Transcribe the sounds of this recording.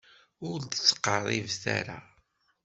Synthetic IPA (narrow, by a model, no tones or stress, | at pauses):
ʊld̪t͡sːə̥qːəɾˤːivθa̰ɾa